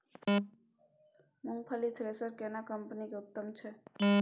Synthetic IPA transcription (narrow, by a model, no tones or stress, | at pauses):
mʊŋɡpʰəlit̪ʰɾesəɾkenakəmpənikeʊt̪ːəmt͡ʃʰe